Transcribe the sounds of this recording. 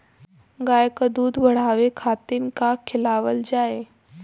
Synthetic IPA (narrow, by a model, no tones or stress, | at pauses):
ɡaːjəkəd̪uːd̪bʱəɽ̤aːʋekʰaːt̪inɪ̆kakʰɪlaːʋəld͡ʑaːe